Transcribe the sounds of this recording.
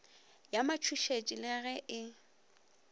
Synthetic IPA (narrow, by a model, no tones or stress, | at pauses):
jamat͡ʃʰuʃet͡ʃʼilɪɣɛʔɪ